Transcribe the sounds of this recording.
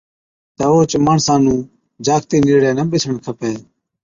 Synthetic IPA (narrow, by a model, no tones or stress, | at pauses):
t̪əoːt͡ʃməɳsãːnũː | d͡ʒaːkʰt̪iːniːɽjãːnəɓɪt͡ʃʰəɳkʰəpeː